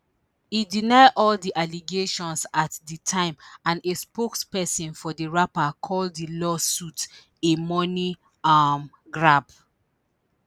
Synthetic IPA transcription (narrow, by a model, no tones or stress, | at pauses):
idinaɪʔɔldiʔaliɡeʃɔ̃nsatditʰãɪ̃mãnespokspɛsĩnfɔdiɹapakʰɔlddilɔsut | emɔni | am | ɡɹab